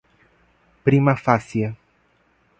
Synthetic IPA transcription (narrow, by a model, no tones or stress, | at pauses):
pɾimɐfasjɐ